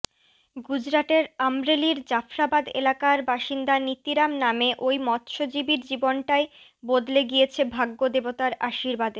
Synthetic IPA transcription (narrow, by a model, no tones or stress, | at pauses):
ɡud͡ʑɾaʈeɾamɾeliɾd͡ʑafɾabad̪ḛlakaɾbaʃind̪anit̪iɾamnameʔojmɔt̪ʃod͡ʑibiɾd͡ʑibonʈae | bod̪leɡiet͡ɕʰebʱaɡːod̪ebot̪aɾaʃiɾbad̪eɾ